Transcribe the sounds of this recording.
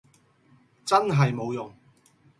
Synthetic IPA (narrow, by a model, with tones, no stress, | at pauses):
t͡sɐ˥nɦɐ˨jmo˨˧wjʊ˨ŋ